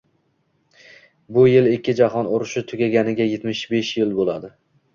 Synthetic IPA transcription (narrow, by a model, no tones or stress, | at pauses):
bʊjɪlekʲːɪd͡ʒaɦɒnoɾʊʃɪt̪ʰʊɡʲaɡʲanɪɡʲaje̞t̪mɪʃbe̞ʃjɪlbolad̪ɪ